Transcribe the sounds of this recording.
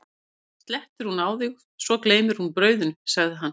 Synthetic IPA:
st̪lɛht̪ʏɾ̥hunaːwðiɣ | svɔkleːjmɪɾhunpɾœːɥðʏnsaɣðɪɦanː

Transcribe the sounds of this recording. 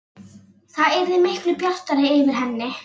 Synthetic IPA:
θaðɛɾðɪmehklʏpjar̥t̪aɾɪɪvɪɾ̥ɦɛnːɪ

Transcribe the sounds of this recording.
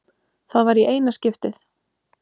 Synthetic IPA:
θaðvaɾiʔeːjnascɪft̪ɪθ

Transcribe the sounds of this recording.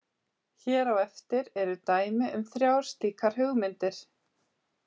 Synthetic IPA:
çɛːɾawɛft̪ɪɾɛɾʏt̪aːjmɪʔʏmθɾjawɾ̥st̪iːkʰaɾ̥ɦʏɣmɪnt̪ɪɾ̥

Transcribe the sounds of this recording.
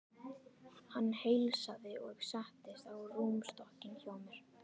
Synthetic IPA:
hanːhejlsaðɪɔɣsaht̪ɪst̪awruːmst̪ɔhcɪnçoːwmʏɾ̥

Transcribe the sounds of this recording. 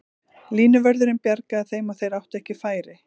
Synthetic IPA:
liːnʏvœɾðʏɾɪmpjaɾkaːθejmawθejɾawht̪ɛhcɪfaːjɾɪ

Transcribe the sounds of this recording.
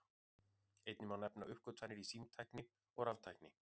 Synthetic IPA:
ejt̪nɪmawnɛpnaʔʏhkvʏɾt̪fanːɪɾisiːmt̪ʰajknɪ | ɔɣɾavt̪ʰajknɪ

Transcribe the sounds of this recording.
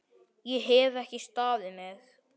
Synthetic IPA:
jɛɦɛvɛhcɪst̪aːðɪmɛθ

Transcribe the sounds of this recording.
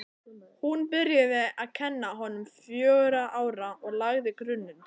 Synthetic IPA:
hunpɪɾjaðɪaðcʰɛnːaɦɔnːʏmfjœːɣɾaʔaːwɾaɔɣlaɣðɪkɾʏnːʏn

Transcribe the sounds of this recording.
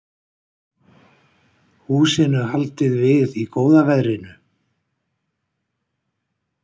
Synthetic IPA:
huːsɪnʏɦalt̪ɪðvɪðikoːwðavɛðɾɪnʏ

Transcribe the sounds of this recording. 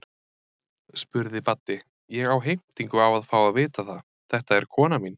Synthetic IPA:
spʏɾðɪpat̪nɪ | jɛɣawɦejm̥t̪iŋkʏawaðfaːwaðvɪːt̪aθað | θɛht̪aɛɾ̥kʰɔːnamin

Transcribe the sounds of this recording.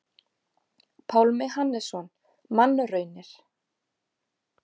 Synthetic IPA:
pʰawlmɛhanːɛsɔn | manːʏrœɥnɪɾ̥

